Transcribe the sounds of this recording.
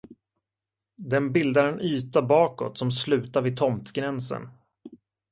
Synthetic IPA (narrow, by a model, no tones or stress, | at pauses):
d̪ɛnbɪld̪aɾənyːt̪abɑːkɔ̰t̪sɔmslʉ̟ːt̪aɾvɪt̪ʰɔmt̪ɡɾɛnsə̰n